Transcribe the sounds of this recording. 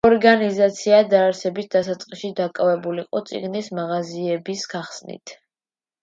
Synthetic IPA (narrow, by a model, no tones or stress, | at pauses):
ɔɾɡanizat̪sʰiad̪aːɾsɛbisd̪asat̪sʼqʼiʃid̪akʼavɛbuliqʼɔ̰t̪sʼḭɡnismaʁaziɛbisɡ̥aχsnḭt̪ʰ